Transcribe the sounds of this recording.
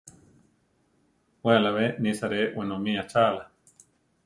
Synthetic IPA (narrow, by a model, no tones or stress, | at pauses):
wealaβenĩsaɾewenõmĩat͡ʃala